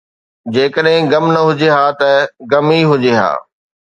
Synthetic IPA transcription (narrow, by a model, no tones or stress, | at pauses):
d͡ʑeːkəɗɦɪ̃ɡɐmnɐɦʊd͡ʑeɦaːt̪ɐɡɐmiɦʊd͡ʑeːɦa̰ː